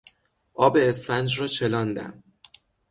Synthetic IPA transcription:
ʔɒːbe̞ːsfænd͡ʒɾɒːt͡ʃʰe̞lɒːnd̪æ̰n

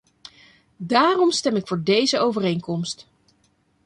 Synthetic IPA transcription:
daːrɔmstɛmɪkfʊːɹdejzəowvərejŋkɔmst

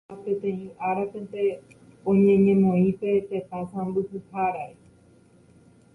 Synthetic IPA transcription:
pẽt̪ẽ̞ĩʔaɾapẽ̞nt̪ẽ̞ | õɲẽ̞ɲẽ̞mõ̞ĩpe̞t̪e̞t̪asãmbɨhɨhaɾae

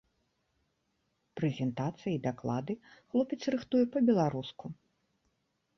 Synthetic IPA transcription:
pɾɛzʲɛnt̪at̪sɨjɐid̪aklˠa̰d̪ɨxlˠɔpʲɛt̪srɨxt̪ujɛpɐbʲɛlˠaɾusku

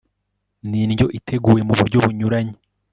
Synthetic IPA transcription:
ninɟo̞ʔitʰe̞ɡuːje̞muβuɾɟo̞βuɲuɾaɲe

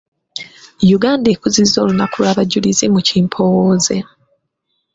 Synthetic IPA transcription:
juɡaːndeːkuzizo̞ːlunakulwaβaɟːulizimuciːmpʰo̞woːze̞

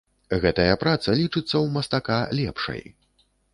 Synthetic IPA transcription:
ɣɛt̪ɐjɐpɾat̪sɐlʲit͡ʂɨt̪sːɐwmɐst̪akalʲɛpʂɐ̰j

